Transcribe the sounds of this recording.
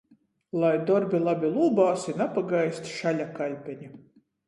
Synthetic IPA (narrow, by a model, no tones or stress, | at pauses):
lˠajd̪ɔɾbʲilˠabʲilˠuːbaːsinapaɡajsʲt̪ʲʃalʲakalʲpʲɛɲʲi